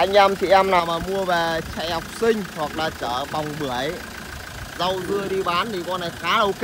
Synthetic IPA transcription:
ʔa˧jŋ̟ʔaː˧mt̪ʰḭ˧˨ʔaː˧mnaː˨˩wmaː˨˩mu˧əveː˨˩t͡ɕa̰˧˨jha˨˩wk͡p̚sï˧ŋ̟hwa˨˩k̚laː˨˩t͡ɕəː˧˩ɓa˨˩wŋ͡mɓɨ˧˩əj | zə˧wzɨ˧əɗi˧ɓaː˨˦nt̪i˨˩kɔ˧na˨˩jxaː˨˦˧k

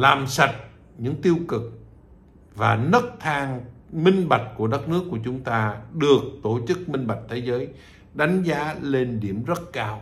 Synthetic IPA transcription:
laː˨˩msa˨˩t̚ | ɲɨ̰˧˥ŋt̪i˧əwkɨ˨˩k̚ | vaː˨˩nə˦˥t̚t̪ʰaː˧ŋmï˧ŋ̟ɓa˨˩t̚ku˧˩əɗə˦˥t̚nɨ˦˥kːu˧˩ət͡ɕʊ˨˦ŋ͡mt̪aː˧ɗɨ˨˩ək̚t̪o˧˩t͡ɕɨ˦˥k̚mï˧ŋ̟ɓa˨˩k̚t̪ʰe˨˦zəː˨˦j | ɗa˨˦jŋ̟zaː˨˦le˧nɗi˧˩əmzə˦˥t̚kaː˧w

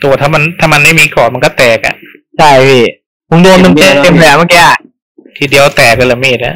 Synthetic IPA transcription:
t̪u˧ɐt̪ʰaː˥˩ma˧nt̪ʰaː˥˩ma˧nma˥˩jmiː˧kɔː˨˩nma˧nkɔː˥˩t̪ɛː˨˩k̚a̰˨˩ʔ | t͡ɕʰa˥˩ji˧˩ | ko˨˦do˧nt̪e˧me˧˥˩t̪e˧mpʰɛː˨˦ma˥˩kɛː˧˨˩ | t̪ʰiː˧di˧əwt̪ɛː˨˩k̚la˧laː˨˩meː˧˨˩a̰˧˩

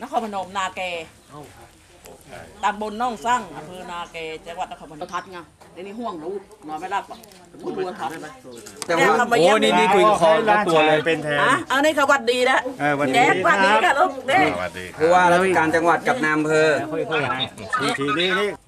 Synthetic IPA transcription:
na˦˥kʰɔː˧nmpʰa˧no˨˦mnaː˧kɛː˧ | t̪aː˧ŋbo˧nːɔ˧˥˩ŋsa˥˩ŋʔa˧mpʰɤː˧naː˧kɛː˧t͡ɕa˧ŋwa˨˩t̪̚na˦˥kʰɔː˧npʰa˧o˧t̪ʰa˧˦˥ŋa˧˩ | nɛ˦niː˦˥˩ɦu˧˥˩əŋluː˦˥nɔː˧˩nma˧˥˩la˧˩la˧˩˧ | u˧˥˩u˧t̪ʰa˨˦t̪̚a˧˩t͡ɕa˧˨˦a˧ma˧˦˧niː˥˧niː˦˥˩k̪u˧˩˧ɔ˧˦a˧t̪u˨˩lːe˧nʰɛ˧a˧˦ʔa˧˩niː˧˥˩kʰa˧wa˨˧˩t̪̚diː˧na˦˥˧jɛː˧˨˦wa˧t̚diː˧ka˧˩lo˦˥kte˥pʰɔ˧waː˧˩ɾa˧kaː˧nt͡ɕa˧ŋwa˨˩t̪̚ka˨˩p̚naː˧mpʰɤː˧˩˦

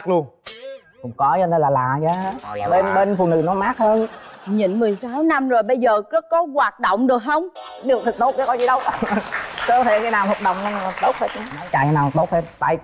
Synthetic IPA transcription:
k̚lu˧əŋ | kʊ̰˧˥ŋ͡mkɔ˨˦t͡ɕɔ˧ne˧nlaː˨˩laː˨˩zaː˨˦˧ɓe˧nɓe˧nfṵ˨˧˨nɨ̰˧˥nɔ˨˦maː˦˥k̚həː˧nɲḭ˧˩nmɨ˨˩əjsaː˨˦wna˧mzo˨˩jɓə˧jzəː˨˩kə˦˥kɔ˨˦ɣwaː˨˩t̚ɗo̰˧˨wŋ͡mɗɨ˨˩ək̚hə˧wŋ͡mɗɨ˨˩ək̚t̪ɨ˨˩k̚t̪o˦˥t̚ka˨˦kɔ˨˦zi˨˩ɗə˧w | kəː˧t̪ʰe˧˩kaː˨˦naː˨˩whwa˨˩t̚ɗə˨wŋ͡mt̪o˦˥t̚hʰe˧˨˦nɔ˨˦jt͡ɕa̰ː˧˩ja˨˦naː˨˩˨t̪o˦˥t̚he˧nt̪a̰ː˧˨j

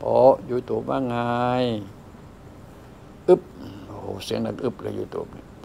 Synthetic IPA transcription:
pɔː˨˦ʔju˧˦˧t̪oː˨˦p̚maː˧ŋa˧˦j | ʔɯ˦p̚o˧˨ho̰˨˦si˨˦ə˦ŋda˧kʔɯ˧˦p̚la̰˧˨ju˧˦t̪o̰ː˨˦p̚ni˧˨

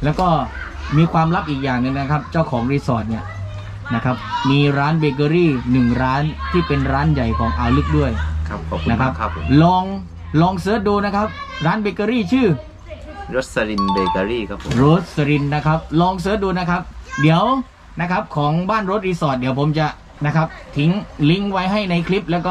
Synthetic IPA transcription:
lɛː˦˥wkɔː˥˩ | miː˧kʰwaː˧mɾa˦˥p̚ʔiː˨˩k̚jaː˨˩ŋːɯ˧ŋna˦˥kʰa˦˥p̚t͡ɕaː˥˩wkʰɔː˩˦ŋɾiː˧sɔː˨˩t̪̚ni˥˩ɐ | na˦˥kʰa˦˥p̚miː˧ɾaː˦˥nbeː˧k̬ɤː˧ɾiː˥˩nɯ˨˩ŋɾaː˦˥nt̪ʰiː˥˩pe˧nɾaː˦˥nja˨˩jkʰɔː˩˦ŋʔaː˧lɯ˦˥k̚du˥˩əjkʰa˦˧˦na˦˥kʰa˦˥p̚ʰlɔː˧ŋ | lɔː˧ŋsɤː˦˥t̪̚duː˧na˦˥kʰa˦˥p̚ɾaː˦˥nbeː˧kəː˧ɾiː˥˩t͡ɕʰɯː˥˩ | ɾo˦˥t̪̚sa˧ɾi˧nbeː˧ka˧ɾiː˥˩kʰa˦˥pʰɾoː˦˥t̪̚sa˧ɾi˧nːa˦˥kʰa˦˥p̚lɔː˧ŋs̬ɤː˦˥t̪̚duː˧na˦˥kʰa˦˥p̚di˩˦əw | na˦˥kʰa˦˥p̚kʰɔː˩˦ŋbaː˥˩nɾo˧˦˥t̪̚ɾiː˧sɔː˨˩t̪̚di˩˦əwpʰo˩˦mt͡ɕa˨˩ | na˦˥kʰa˦˥p̚t̪ʰi˨˦ŋli˦˥ŋwa˦˥jɦa˥˩jna˧jkʰli˦˥p̚lɛː˦˥wkɔː˥˩

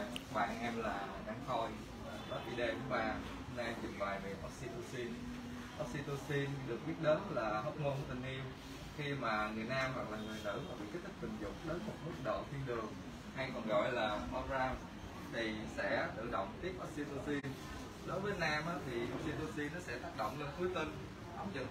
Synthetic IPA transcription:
ma̰ː˨˩jʔɛ˧mlaː˨˩˨naː˧˩ŋxo˧j | ɗɔ˨˦t̚ʔi˧ɗe˧kṵ˧˦ɓaː˧ | na˧t͡ɕḭ˨˩ŋŋwaː˨˩jvḭ˨ʔɔ˦˥k̚si˧t̪o˧si˧n | ʔɔ˦˥k̚si˧t̪o˧si˧nɗɨ˨˩ək̚ɓi˦˥ət̚ɗəː˨˦nlaː˨˩ɦə˦˥k͡p̚mo˧nkɔ˧˨˦t̪ʰï˨˩ŋ̟ʔi˧əm | xi˧maː˨˩ŋɨ˨˩əjnaː˧mva˨˩k̚laː˨˩ŋɨ˨˩əjnt̪ɨ̰˧˥maː˨˩ɓḭ˧˨ka˦˥k̚t̪ʰi˦˥k̪̚ï˨˩ŋ̟zʊ̰˨ŋ͡m̚ɗə˨˦nmʊ˨˦˥k͡p̚nu˦˥ək̚ɗo̰˧˨t̪ʰi˧ənɗɨ˨˩əŋ | ha˧jkɔ˨˩nɣɔ̰˧˨jlaː˨˩mɔ˧pzaː˧m | t̪ʰi˨˩sɛ̰˧˥t̪ɨ̰˧˨ɗə̰˧˨wŋ͡mt̪i˦˥əp̚ʔa˦˥k̚si˧t̪o˧si˧n | ɗo˨˦jvəː˨˦naː˧mʔaː˨˦t̪ʰi˨˩ʔa˦˥k̚si˧t̪o˧si˧nːɔ˨˦sɛ̰˧˥t̪aː˦˥k̚ɗo̰˧˨wŋ͡mle˧nt̪ʰu˨˦jt̪i˧n | ʔa˨˦ŋ͡mzə̰˧˨

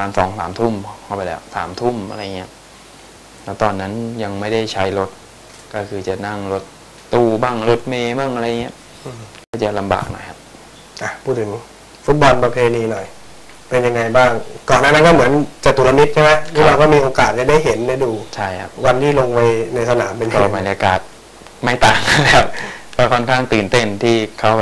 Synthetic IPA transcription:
maː˧nsɔ̰ː˨˩˦ŋsa̰ː˩˦mt̪ʰu˥˩mkʰa˥˩wpa˧lɛ̰ː˦˥˩ksa̰ː˩˦mt̪ʰu˥˩mʔa̰˧ɾa˧ja˨˩ŋːi˦˥ɐ˦ | lɛ˦˥wt̪ɔː˧nːa˦˥nja˧ŋma˥˩jda˥˩jt͡ɕʰa˦˥jlo˦˥t̪̚ | kɔː˥˩kʰɯː˧˩t͡ɕa˨˩na˥˩ŋɾo˦˥t̪ː | uː˧baː˥˩ŋlo˦˥t̪̚meː˧baː˥˩ŋʔa˧ɾa˧jːa˨ŋːi˦˥ɐ˧ | kɔː˥˩t͡ɕa˨˩la˧mba̰ː˨˩k̚nɔ̰˨˩jkʰa˦˥p̚ | ʔa˧˩pʰu˥˩t̪̚ʰɯ˩˦ŋ | fu˦˥t̪̚bɔ˧npɾa˧pʰeː˧niː˧nɔ˨˩j | pe˧nja˧ŋːa˧jbaː˥˩ŋkɔː˨˩nːaː˥˩na˦˥˩kɔː˥˩mɯ˩˦ənt͡ɕa˨˩t̪u˨˩˦la˧mi˦˥t̪̚t͡ɕʰma˦˥jʰːwaː˧˩kɔː˥˩miː˧ʔoː˧kaː˨˩t̪̚t͡ɕa˧˩da˥˩jɦe˩˦nːa˧˩duː˧t͡ɕʰa˥˩jkʰa˦˥p̚wa˧nt̪ʰiː˥˩lo˧ŋwa˧jna˧jsa˧naː˩˦mpe˧nkɔː˧˩ma˧n˧ʔa˧kaː˨˩t̪̚ | ma˥˩jt̪aː˨˩ŋ˥˩lɛ˦˥wkɔː˥˩kʰɔ˥˩nkʰaː˥˩ŋt̪ɯː˨˩nt̪e˥˩nt̪ʰiː˥˩kʰa˦˥w

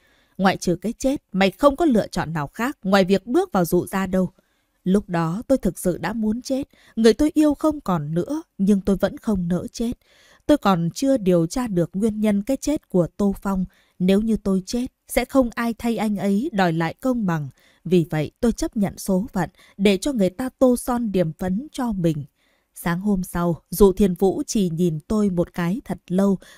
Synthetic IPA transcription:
ŋwa̰ː˧˨jt͡ɕɨ˨˩əkaː˨˦jt͡ɕe˦˥t̚ma̰˨˩jxə˧wŋ͡mkɔ˨˦lɨ̰˧˨ət͡ɕɔ̰˧˨nːaː˨˩wxaː˦˥k̚ŋwa̰ː˧˨jvi˨˩ək̚ɓɨ˦˥ək̚vaː˨˩wzṵ˧˨zaː˧ɗə˧w | lʊ˦˥k͡p̚ɗɔ˨˦t̪o˧jt̪ʰɨ˨˩k̚sɨ̰˧˨ɗa̰ː˧˥mu˨˦ənt͡ɕe˦˥t̚ | ŋɨ˨˩əjt̪o˧jʔi˧əwxə˧wŋ͡mkɔ˨˩nːɨ̰˧˥əɲɨ˧ŋt̪o˧jvə̰˧˥nxə˧wŋ͡mnə̰ː˧˥t͡ɕe˦˥t̚ | t̪o˧jkɔ˨˩nt͡ɕɨ˧əɗi˨˩əwt͡ɕaː˧ɗɨ˨˩ək̚ŋwi˧ənɲə˧nkaː˨˦jt͡ɕe˦˥t̚ku˧˩ət̪o˧fa˧wŋ͡m | ne˨˦wɲɨ˧t̪o˧jt͡ɕe˦˥t̚sɛ̰˧˥xə˧wŋ͡mʔaː˧jt̪ʰə˧jʔa˧jŋ̟ʔə˨˦jɗɔ˨˩jla̰ː˧˨jkə˧wŋ͡mɓa˨˩ŋ | vi˨˩və̰˧˨jt̪o˧jt͡ɕə˦˥p̚ɲə̰˧˨nso˨˦və̰˧˨n | ɗe˧˩t͡ɕɔ˧ŋɨ˨˩əjt̪aː˧t̪o˧sɔ˧nɗi˨˩əmfə˨˦nt͡ɕɔ˧mï˨˩ŋ̟ | saː˨˦ŋɦo˧msa˧wzṵ˧˨t̪ʰi˧˩ənvṵ˧˥t͡ɕi˧˩ɲi˨˩nt̪o˧jmo˨˩t̚kaː˨˦jt̪ʰə˨˩t̚lə˧w

